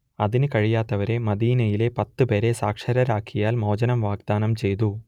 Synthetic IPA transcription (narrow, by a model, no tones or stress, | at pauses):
ɐðinɨkɐɻijaːt̪ːɐʋɐɾe̞mɐðiːnɐjile̞pɐt̪ːɨpe̞ːɾe̞saːkʂɐɾɐɾaːkʰːijaːlmo̞ːd͡ʑɐnɐmʋaːɡ̚d̪aːnɐmt͡ɕe̞jt̪̬u